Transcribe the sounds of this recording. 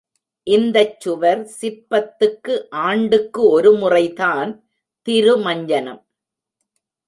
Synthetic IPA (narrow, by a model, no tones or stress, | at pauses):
ʔɪnd̪ɐt͡ʃːʊʋɐɾsɪɾpɐt̪ːɯkːɯʔaːɳɖɯkːɯɔɾɯmʊrɐɪðaːn | t̪ɪɾɯmɐɲd͡ʒɐnɐ̰m